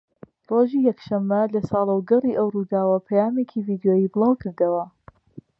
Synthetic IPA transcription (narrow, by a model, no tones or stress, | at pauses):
roːʒiːjɐkʃɐmːɐlɐsɑːlˠɐwɡɐriːʔɐwrud̪aːwɐpʰɐjaːmekʰiviːd̪joːjiːbɨlˠaːwkʰɨɾd̪ɐwɐ